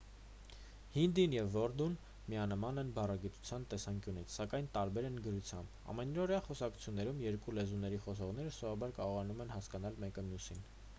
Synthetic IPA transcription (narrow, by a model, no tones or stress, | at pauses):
hind̪injɛvːɔɾd̪un | miɑnəmɑnɛnbɑrɑɡit̪u̥t͡sʰjɑnt̪ɛsɑŋkjunit͡sʰsɑkɑjnt̪ɑɾbɛɾɛnɡəɾut͡sʰjɑmb | ɑ̰mɛnɔɾjɑχɔsɑkʰu̥t͡sʰjunːɛɾumjɛɾkulɛzunːɛɾiχɔs̬ɔʁn̪ɛɾəsɔvɑbɑɾkɑɾɔʁɑnumɛnhɑskɑnɑlmɛkəmjusin